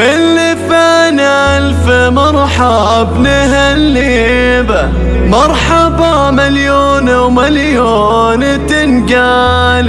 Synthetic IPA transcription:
ʔɪlːɪfan | alfɪmɑɾˤħɑ | bnaɦalː | ɪ | ba | mɑɾˤħɑba | maljoːnwmaljoː | n | t̪ɪnɡa | l

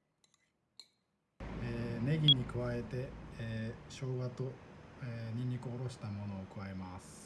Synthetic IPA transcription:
eːne̞ɡʲiɲ̟ikɯ̟βae̞t̪e̞ | ɕo̞ːɡat̪o̞eɲ̟iɲʲikɯoɾo̞ɕi̥t̪amo̞no̞ːkɯβae̞masɨ̥

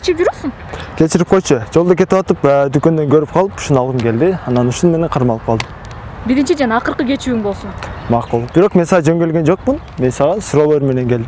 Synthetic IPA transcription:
t͡ʃipd͡ʒuɾosun | kʲʰe̞t͡ʃiɾip̚qʰo̞jt͡ʃʊd͡ʒolˠd̪ok̬ʲʰe̞t̪ipwɑt̪ɯpd̪ykʲø̞nd̪eŋkʰøɾip̚qʰɑlˠɯpu̥ʃunɑlˠʁɯnkʲe̞ld̪ɪɑnɑnuʃunme̞neɴqʰɑɾmɑlˠɯp̚qʰɑlˠd̪əm | biɾint͡ʃid͡ʒɑnɑːqəɾqəɡʲe̞t͡ʃyiŋbo̞lˠsunmɑqulˠbɪɾo̞qme̞nsɑʁɑd͡ʒø̞ŋɡʲelɡʲe̞nd͡ʒo̞q̚mun | me̞nsɑʁɑsuɾolˠoɾme̞ne̞ŋkʲʰeld̪ɪm

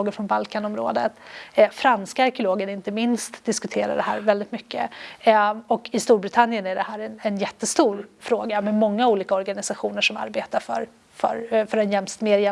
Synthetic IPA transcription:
oːɡəɾfɾɔnbalkʰanɔmɾo̰ːd̪ət̪fɾanskaːɾkɪʊloːɡəɾɪnt̪əmɪnst̪d̪ɪskɵt̪ʰeːɾa̰ɖɛɦæ̰ːɾvɛld̪ɪt̪mʏkːə̰ | ɔkʰɪst̪uːɾbɾɪt̪ʰanːɪjənæɖɛhæːɾɛnɛnjɛt̪ːəst̪uːɾfɾoːɡamɛmɔŋːauːliːkaɔɾɡanɪsaɧuːnəʂɔma̰ɾbeːt̪aɾfœ̰ɾ | fœ̰ɾfœɾɛnjɛnmst̪meːɾjɛ

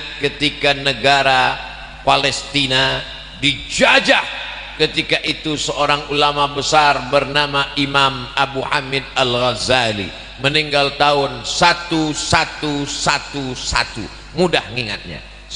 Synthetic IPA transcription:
kət̪ikanəɡaɾa | palɛst̪ina | did͡ʒad͡ʒah | kət̪ikaʔit̪usəoɾaŋulamabəsarbərnamaʔimamabuhamɪd̚alɣazalḭ | məniŋɡalt̪aʊnsat̪usat̪usat̪usa̰t̪ṵ | mudahŋiŋa̰t̪̚ɲa̰

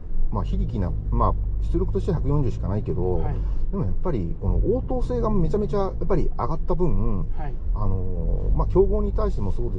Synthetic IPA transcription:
maçiɾʲikʲina̰maɕi̥t͡sɨɾo̞kɯ̟t̪o̞ɕi̥t̪eçakɯ̟jõ̞ɲ̟d͡ʑɨːɕi̥kanaike̞d̪o̞d̪̥e̞mo̞japːaɾʲiko̞no̞̰ʔoːt̪o̞ːse̞ːɡame̞t͡ɕame̞t͡ɕajapːaɾʲiaɡat̪ːabɯ̟̃ɴɯ̃ | ano̞makʲo̞ːɡo̞ːɲ̟it̪aiɕi̥t̪e̞mo̞so̞ːd̪e

